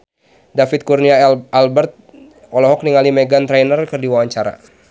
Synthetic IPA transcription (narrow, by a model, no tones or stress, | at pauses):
dafɪt̪̚kurniaalbɛrt̪̚ | ɔlɔɦɔk̚niŋalimɛɡant̪ɾɛnərkɨrdiwawaɲt͡ʃaɾa̰